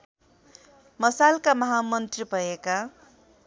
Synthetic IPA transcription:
mʌsalkamʌɦamʌnt̪ribʱʌeka

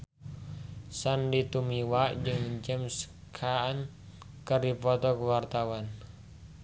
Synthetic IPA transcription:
sandit̪umiwaʔd͡ʒɨŋəɲt͡ʃəmsə̥ | kʰaːn | kərɾipɔt̪ɔkəwart̪awan

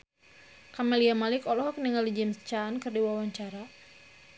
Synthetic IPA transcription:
kamɛliamalɪkɔlɔɦɔk̚niŋalid͡ʒɛmst͡ʃaːnkɨrdiwawaɲt͡ʃaɾa

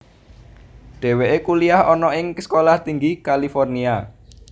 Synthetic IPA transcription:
ɖ̥ɛ̤weʔekuliahɔnɔʔɪŋskolaht̪iŋɡikalifɔrnia

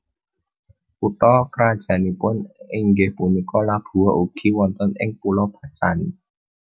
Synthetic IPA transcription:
ʔut̪ɔkɾad̥ʒ̥a̤nipʊnɪŋɡɪhpunikɔlab̥ṳɔʔuɡ̥i̤wɔnt̪ɔnɪ̰ŋpulɔb̥a̤t͡ʃani

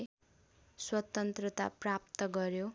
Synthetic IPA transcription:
swʌt̪ʌnt̪rʌt̪a̰prap̚t̪ʌɡʌɾjo

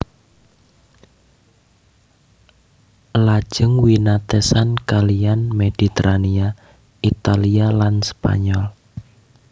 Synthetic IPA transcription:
lḁʒ̥əŋwinat̪ɛsankalianmed̥i̤t̪əɾania | it̪alialanspa̰ɲɔl

